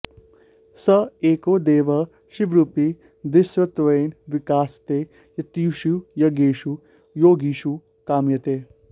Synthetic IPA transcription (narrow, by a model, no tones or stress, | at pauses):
sɐeːkoːd̪eːʋɐ | ʃiʋɾupi | d̪ɪsʋɐt̪ʋɐjnʋikaːst̪eː | jɐt̪iuʃujɐɡeːʃu | joːɡiʃu | kaːmjɐt̪eː